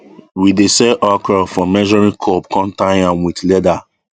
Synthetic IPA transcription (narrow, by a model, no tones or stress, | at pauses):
widesɛʔɔkɔfɔmɛʒɔɹĩnkʰɔpkʰɔ̃ntãɪ̃nãnwitlɛda